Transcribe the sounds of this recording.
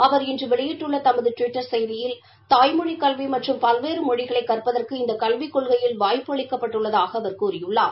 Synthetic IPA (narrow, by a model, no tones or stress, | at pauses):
ɐʋɐɾɪndrɯʋɛɭɪjɪʈːɯɭːɐt̪ɐmɐðɯʈʋɪʈːɐɾsɛjðɪjɪl | t̪aːjmɔɳikɐlʋimɐʈrɯmpɐlʋeːɾɯmɔɽɪɣɐɭɐɪkːɐrpɐðɐrkɯɪnd̪ɐkɐlʋikːɔɭɣɐjɪlʋaːjpːɯɐɭɪkːɐpːɐʈːɯɭːɐðaːɣɐːʋɐɾkuːrɪjɯɭːaːɾ